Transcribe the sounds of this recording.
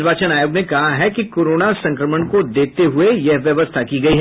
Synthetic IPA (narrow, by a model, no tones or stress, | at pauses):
bʱaːt͡ʃənaːjoːɡnekɐɦaɦɛkikoːɾoːnasɐ̃ŋkɾəməɳkod̪eːt̪eɦʊejɛɦʋjɐʋəst̪ʰakiɡɐiɦɛ